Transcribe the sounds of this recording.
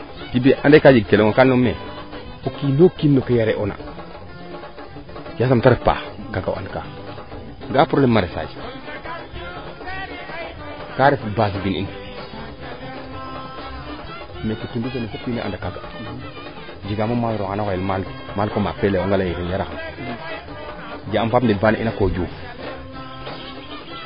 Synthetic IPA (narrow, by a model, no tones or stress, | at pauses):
tibiʔandakad͡ʒikeloŋokalnome | okinokinːokajaɾeʔona̰ | jasamtaɾefpa̰ːkaɡawa̰nka | ŋɡapɾolemːaɾesa̰d͡ʒi̥ | kaɾefbas̬binḭni | mekitundisenefupinḭʔa̰dakaɡa | d͡ʒiɡamomasɾokanakojilmal | malkomapelewoŋɡalaikinjaɾaxam | d͡ʒaampapndibanaʔḭnakoːd͡ʒu